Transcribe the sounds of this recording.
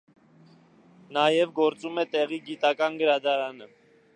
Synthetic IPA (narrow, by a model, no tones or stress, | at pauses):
nɑjɛvɡɔɾt͡sumɛt̪ɛʁiɡit̪ɑkɑnɡəɾɑd̪ɑɾɑnə